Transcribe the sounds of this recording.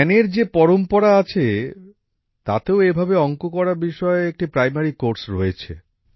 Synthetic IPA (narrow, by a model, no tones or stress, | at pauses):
neɾd͡ʑepɔɾompɔɾaat͡ɕʰe | t̪at̪eoebʱabeɔŋkokɔɾaɾbiʃɔeek̚ʈipɾajmaɾikoɾsɾoet͡ɕʰḛ